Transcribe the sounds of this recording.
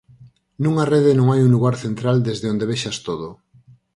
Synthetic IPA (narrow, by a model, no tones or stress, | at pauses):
nũŋareðenõŋajuŋluɣaɾθent̪ɾald̪ezðeond̪eβeʃast̪oð̞o